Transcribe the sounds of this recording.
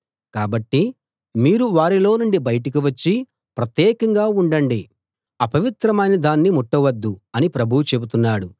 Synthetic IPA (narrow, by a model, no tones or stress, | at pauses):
kaːbɐʈːi | miːɾuʋaːɾilo̞ːnuɳɖibɐjɐʈɐk̬iʋɐt͡ʃːi | pɾɐt̪jɛːkɐŋɡaːuɳɖɐɳɖi | ɐpɐʋit̪ɾɐmɐːnid̪aːnːimɔʈːɐʋɐd̪ːuɐnipɾɐbʱuwut͡ʃe̞but̪unːaːɽu